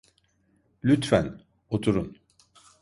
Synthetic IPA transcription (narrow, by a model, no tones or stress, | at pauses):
lʲyt̪fæn | ot̪ʰuɾun